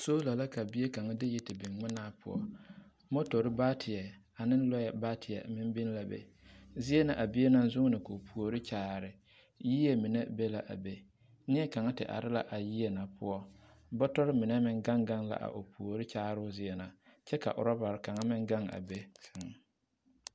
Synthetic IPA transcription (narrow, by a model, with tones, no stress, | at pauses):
so˦la˨la˦ka˨bɪ˦e˦ka˨ŋa˦dɪ˦ji˦tɪ˨bɪ˨ŋŋ͡mɪ˦naː˦pʰʊ̰˦ɔ̰˦ | mo˦to˨ɾɪ˦baː˦tʰɪ˨ɛ˨ | a˨nɪ̃˦n˦lɔ˦ɛ˨˦baː˦tʰɪ˨ɛ̰˨mɪ˦m˦bɪ˦n˦la˨bḛ˨ | zɪ˦ɛ˦na˨ʔa˨bɪ˦e˦na˦n˦zʊ˦ŋ˦nɪ˨ko˨pʰu˨o˨ɾɪ˦t͡ʃaː˦˨ɾɪ˨ | ji˦je˦mɪ˨ne˦be˦la˨ʔa̰˨be˦ | nɪ˦ɛ˦ka˨ŋa˦tɪ̰˨ʔa̰˨ɾɪ˦la̰˦ʔa˨ji˦ɛ˨na˨pʰʊ̰˦ɔ˦ | bɔ˦tɔ˦ɾɪ˦mɪ˨nɛ˦mɪ˦ŋɡa˦ŋɡa˦ŋla̰˨ʔa̰˨ʔo˨pu˨o˨ɾɪ˦t͡ʃaː˦ɾʊ˦zɪ˦ɛ˨na˨t͡ʃɛ˦ka̰˨ʔʊ̰˨ɾɔ˦ba˨ɾɪ˨ka˨ŋa˦mɪ˦ŋɡa˦ŋa̰˨be˦sɪ˨ŋ˨